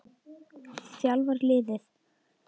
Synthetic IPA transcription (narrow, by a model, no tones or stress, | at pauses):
sjalvaɾlɪːðɪθ